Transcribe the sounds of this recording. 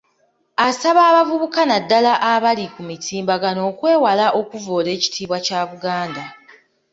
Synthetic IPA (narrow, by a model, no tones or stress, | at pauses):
asaβaːβavuβukanadːalaʔaβalikumitʰiːmbaɡano̞ːkwe̞ːwalaʔo̞kuvo̞ːle̞ːci̥tʰiːβwacaːβuɡaːnda